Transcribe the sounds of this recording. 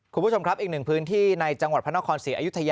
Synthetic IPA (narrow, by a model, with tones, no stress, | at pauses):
kʰu˧mbu˦˥˩o˧mkɾpʔiː˨˩k̚nɯ˨˩ŋpʰɯː˦˥nt̪ʰiː˥˩na˧jt͡ɕa˧ŋwa˨˩pʰa˥nːa˥kʰɔː˧nsiː˩˦ʔa˧ju˥t̪ʰːa˧ja